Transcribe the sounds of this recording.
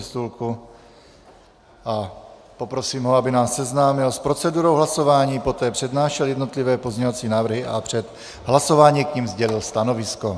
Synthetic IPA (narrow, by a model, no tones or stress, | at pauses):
ɛst̪ulku | ʔa | po̞pɾo̞siːmɦoabɪnaːsːɛznaːmɪlspɾo̞t͡sɛduɾowɦlaso̞vaːɲiːpo̞t̪ɛːpr̥ɛdnaːʃɛljɛdno̞t̪lɪvɛːpozɲɛɲovat͡siːnaːvr̩ɦɪʔapr̝̥ɛt̪ | ɦlaso̞vaːɲiːkɲimzɟɛlɪlst̪ano̞vɪsko